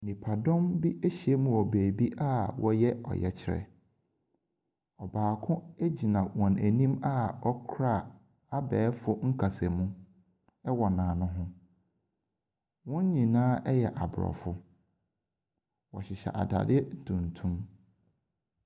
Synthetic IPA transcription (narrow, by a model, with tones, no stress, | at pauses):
nĩ˨pʰa˨dɔ̃˦mbi˦ʔe˦ɕi˨e˦mũ˨ɔ˨beː˨bi˦ʔa˦wʔɔ˦jɛ˦ɔ̰˨jɛ̰˨t͡ɕʰɪ˦ɾɛ̰˨ | ɔ˨baː˨kʰʊ̃˦e˦d͡ʑi˨nã˨wɔ̃˨næ˨nĩ˦ma˦ɔ˦kʰɾa˦˨ | a˦bɛː˨˦fʊ˦ŋ̩˦kʰa˨sɛ˨mũ˦ | ɛ˦wɔ˨nãː˨nʊ̃˦ɦʊ̃˦ | wɔ̃˦ɲ˦ɲĩ˨nãː˦ʔɛ˦jɛ˨ʔa˨bɾɔ̰˨fʊ˦ | wɔ̰˨ɕɪ˨ɕɛ̰˨ʔa̰˨da̰˨dɪ˦ɛ˦n̩˨tʰũ˨n˨tʰũ˦m